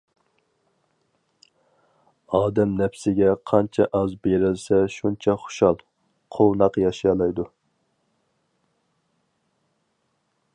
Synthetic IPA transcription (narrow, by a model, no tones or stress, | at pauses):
ɑːd̪ɛmnɛpsɪɡʲɛqʰɑnt͡ʃʰɛʔɑzbeɾɪlsɛʃunt͡ʃʰɛχo̥ʃɑlˠ | qʰolˠnɑqjɑʃjɑlˠɑjd̪u